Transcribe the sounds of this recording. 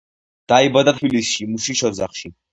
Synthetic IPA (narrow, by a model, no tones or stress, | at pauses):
d̪̥aibad̪at̪ʰbilisʃimuʃiʃɔd̪zaχʃi